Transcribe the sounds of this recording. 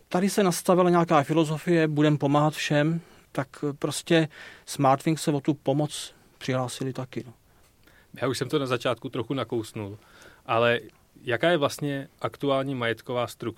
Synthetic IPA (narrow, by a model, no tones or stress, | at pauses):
t̪adɪsɛnast̪avɪlaɲɛakaːfɪlo̞zo̞fɪjɛbudɛmpo̞maːɦat̪fʃɛm | t̪akpɾoscɛsmaɾt̪fɪŋksɛvot̪upo̞mot͡s | pr̥ɪɦlaːsɪlɪt̪akɪo | jaːuʃsɛmt̪onazat͡ʃaːt̪kut̪ɾoxunakowsnulʔalɛ | jakaːjɛvlast̪ɲɛʔakt̪uaːlɲiːmajɛt̪kovaːst̪ɾuk̚